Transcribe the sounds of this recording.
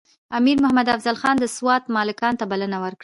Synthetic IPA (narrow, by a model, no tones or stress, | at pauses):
amiɾmʊhamad̪afzalxɑnd̪əswɑt̪mɑlɪkɑnt̪abalənawəɾkɽ